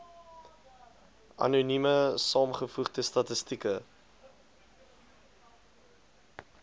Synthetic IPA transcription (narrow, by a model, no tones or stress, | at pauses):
ʔɐ̰nunyməsɑːmχəfuχdəstɐtəstikə